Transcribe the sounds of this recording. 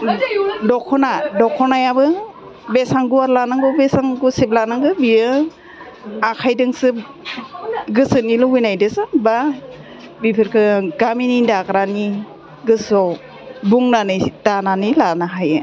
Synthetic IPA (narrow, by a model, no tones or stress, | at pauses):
dɔkʰɔnadɔkʰɔnajabɯ | besaŋɡuaɾlanaŋɡɔbesaŋɡusip̚lanaŋɡɯbiɯ | akʰajdɯŋsɯ | ɡɯsɯnilɔbɯjnajdɯsɯba | bipʰiɾkʰɯɡaminindakɾani | ɡɯsɔ | buŋnanɯdananilanaɦajɯ